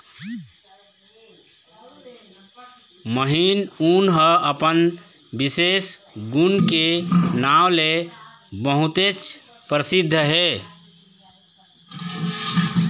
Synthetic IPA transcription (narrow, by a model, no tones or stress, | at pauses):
məɦinunɦəʔəpən | bises | ɡunkenawle | bəɦut̪et͡ʃ | pɾəsid̪ʱːɦe